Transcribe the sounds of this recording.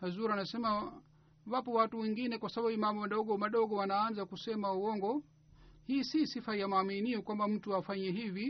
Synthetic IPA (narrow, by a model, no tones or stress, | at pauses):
hazuɾanasɛma | wapɔwatuwɛŋɡinɛkwasababumambɔmaɗɔɡɔmaɗɔɡɔwanaːnzakusɛmauwɔŋɡɔ | hiːsisifajamaminiɔkwambam̩tuafaɲɛɦivi